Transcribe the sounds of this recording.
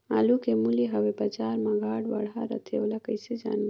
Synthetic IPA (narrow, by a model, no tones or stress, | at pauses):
a̰ːlukemuliɦəwebad͡ʒaːɾmãɡʱaːɽba̰ɽaɾə̰t̪ʰḛwlakəjsed͡ʒa̰ːna